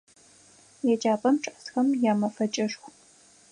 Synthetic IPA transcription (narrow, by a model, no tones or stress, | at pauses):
jɛd͡ʒaːpʰʼɐmʈ͡ʂʰʼɐʔsxɐmjaːmɐfɐt͡ʃʼɐʂxʷ